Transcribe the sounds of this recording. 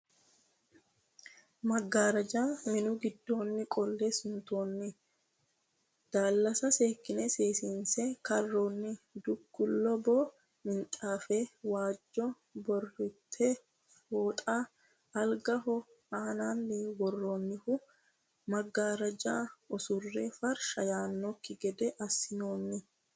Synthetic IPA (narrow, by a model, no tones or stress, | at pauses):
mɐɡːaːɾɐd͡ʒaːmɪnʊɡɪd̪ːo̞ːnːɪkʼɔlːɛsʊnt̪o̞ːnːɪ | d̪̥aːlːɐsɐseːkːɪnɛseːsiːnsɛkɐrːoːnːɪd̪ʊɡːʊlːɔbɔ | mɪnt̪ʼaːfewaːd͡ʒːɔ | bɔrːɪt̪ʰːɛ | foːt̪ʼaː | ɐlɡɐɦɔ | aːnaːnːɪwɔrːoːnːɪhʊ | mɐɡːaːɾɐd͡ʒaːɔsʊrːefɐɾʃɐjaːnːɔkːɪɡɛd̪ɛʔɐsːɪno̞ːnːɪ